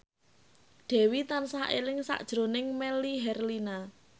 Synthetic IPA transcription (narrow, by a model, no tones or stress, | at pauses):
ɖ̥ɛ̤wit̪ansaelɪŋsa̰ʔd̥ʒ̥ɾo̤nɪŋmɛliɦɛrlina